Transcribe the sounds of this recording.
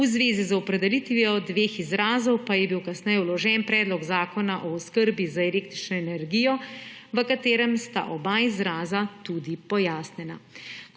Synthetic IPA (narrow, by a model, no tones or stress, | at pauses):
uzʋeːzizɔpɾɛd̪ɛlit̪ʋiɔd̪ʋeːxizɾaːzɔwpajɛbiwkasnɛjɛwlɔʒɛnpɾɛːd̪lɔɡzaːkɔnaʔɔɔskəɾbizaɛleːk̚t̪ɾit͡ʃnɔɛnɛɾɡijɔʋəkat̪eːɾɛmst̪a̰ʔɔbaizɾaːzat̪ud̪ipɔjaːsnɛna